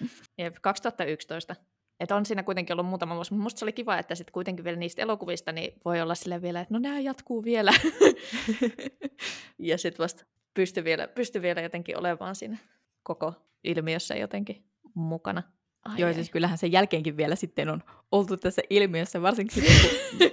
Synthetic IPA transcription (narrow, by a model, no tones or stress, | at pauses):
jepkɑkst̪uɑt̪ːɑykst̪oist̪ɑ | et̪onsiːnækuit̪eŋkiolːummuːt̪ɑmɑosmut̪must̪seolikiʋɑet̪ːæsit̪kuit̪eŋkiʋielæniːst̪ḛlokuʋist̪ɑnḭʋoiolːɑssilːæʋielæet̪noneæjɑt̪kuːʋielæ | jɑsit̪ʋɑst̪ | pyst̪yʋielæ̰pyst̪yʋielæjot̪eŋkḭʔo̰lemɑ̰ːnsḭːnæ | koko | ʔilmiøsːæ̰jo̰t̪eŋki | mukɑ̰nɑ | joisiskylːæhænsejælkeːŋkiʋʋielæsit̪ːenon | olt̪ut̪t̪æsːæʔilmiøsːæʋɑrsiŋkisit̪e